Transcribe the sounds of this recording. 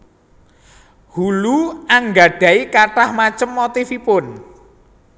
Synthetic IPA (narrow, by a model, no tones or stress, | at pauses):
huluaŋɡa̤ɖ̥ä̤ikaʈahmat͡ʃəmːot̪ifipʊn